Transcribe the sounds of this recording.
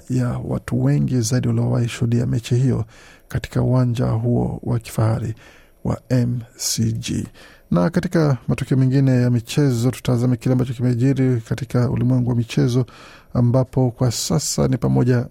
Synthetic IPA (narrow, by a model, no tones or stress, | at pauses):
jawa̰tuwɛŋɡizaiɗiwaliɔwahiʃuhuɗia̰mɛt͡ʃihijɔ̰kati̥kauwand͡ʒa̰ɦuɔ̰waki̥fahaɾi | wa̰ɛmsid͡ʒḭ | nakatikamatɔkɛɔmɛŋɡinɛjamit͡ʃɛzɔtu̥tazamɛkilɛambat͡ʃɔkimɛʄiɾikatikaṵlimwɛŋɡuwamit͡ʃɛzɔ | ambapɔkwasasa̰nipamɔʄa